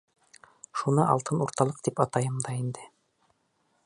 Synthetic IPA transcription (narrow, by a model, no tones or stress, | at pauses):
ʃunɤʔɑ̰lˠt̪ɤnuɾt̪ɑlˠɤqt̪ipɑt̪ɑjɤmd̪ɑind̪ɘ